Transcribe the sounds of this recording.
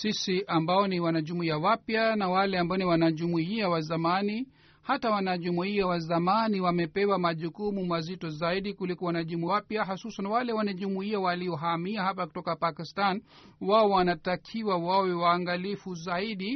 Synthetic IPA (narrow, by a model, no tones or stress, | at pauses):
sisiʔambaɔniwanaʄumuiawapjanawalɛambaɔniwanaʄumuiawazamani | hatawanaʄumuiawazamaniwamɛpɛwamaʄukumumazitɔzaiɗikulikɔwanaʄumuiapjaɦasusanwalɛwanaʄumuiawaliɔɦamiaɦapaku̥tɔkapakistan | waɔwanatakʰiwawawɛwaːŋɡalifuzaiɗi